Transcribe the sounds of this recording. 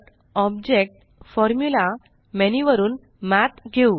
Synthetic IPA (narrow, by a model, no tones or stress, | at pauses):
ɔb̚d͡ʑek̚ʈ | fɔɾmjula | meniʋəɾuːn | mæt̪ɡʱeu